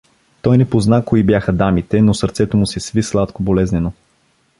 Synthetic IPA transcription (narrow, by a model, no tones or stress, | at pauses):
t̪ɔjnɛpoznakoibjaxəd̪amit̪ɛnosəɾt̪sɛt̪omʊsɛsvislˠat̪kobolɛznɛno